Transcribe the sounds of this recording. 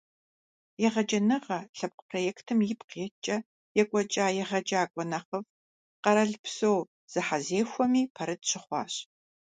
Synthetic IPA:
jɛʁɐd͡ʒɐnɨʁɐɬɐp̚qpʰrojɛːktʰɨmjɪpqeːt͡ʃʼɐ | jɛkʷʼɔt͡ʃʼaːjɛʁɐd͡ʒaːkʷʼɔnɐχɐv | qɐɾɐɮpsow | z̥ɨħazeːxʷɔmiːpʰɐɾɨdɕʰɪχʷɑ̰ːɕ

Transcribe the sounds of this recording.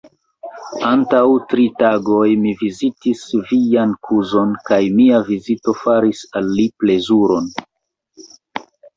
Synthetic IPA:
antawtɾitaɡo̞jmivizitisvijankʰuzo̞nkajmiavizito̞faɾisalːiple̞zuɾo̞n

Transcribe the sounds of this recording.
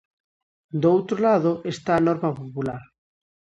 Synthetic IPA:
d̪owt̪ɾolaðoʔest̪aːnɔɾmapopulaɾ

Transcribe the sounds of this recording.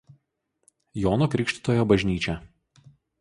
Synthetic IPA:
joːnokɾʲɪkʃʲt̪ʲɪ̥t̪oːjoːbɐʒʲnʲiːt͡ʃʲɛ

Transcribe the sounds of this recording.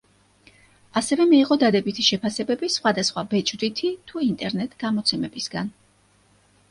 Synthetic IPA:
asɛvɛmɛːʁɔd̪ad̪ɛbit̪ʰiʃɛpʰasɛbɛbisχwad̪asχwabɛt͡ʃʼd̪it̪ʰit̪ʰuint̪ʼɛɾnɛt̪ʼɡ̥amɔt̪sʰɛmɛbisɡan

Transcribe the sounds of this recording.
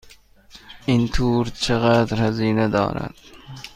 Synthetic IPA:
ʔint̪ʰuːɾt͡ʃʰeɣæːd̪ɾhæziːned̪ɒ̰ːɾæ̰d̪̥

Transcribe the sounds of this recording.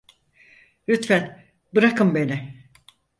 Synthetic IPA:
ɾyt̪fæn | bɯɾakʰɯmbe̞nɪ

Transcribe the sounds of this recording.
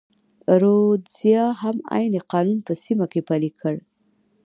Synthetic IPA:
ɾozjɑhama̰jneqɑnunpəsimakepalikʰəɽ

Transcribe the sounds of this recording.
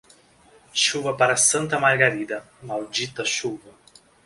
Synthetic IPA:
ʃuvɐpaɾasɐnt̪ɐmaɾɡaɾid̪ɐ | mawd͡ʒit̪ɐʃuvɐ

